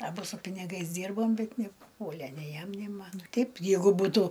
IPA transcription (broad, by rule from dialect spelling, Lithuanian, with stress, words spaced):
ɐˈbʊ sʊ pʲɪnʲɪˈɡɐɪs ˈdʲiːrboːm bʲɛt nʲɛpʊˈpuɔlʲɛ nʲɛɪ ˈjɛm nʲɛɪ ˈmɐn ˈtʲɛɪp ˈjɛɪɡʊ ˈbuːtʊ